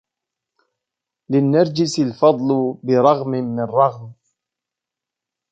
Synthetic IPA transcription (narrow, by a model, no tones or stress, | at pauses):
lɪnːaɾˤd͡ʒɪsɪlfɑd̪ˤlʊbɪɾˤɑɣmɪːɪrˤːɑɣm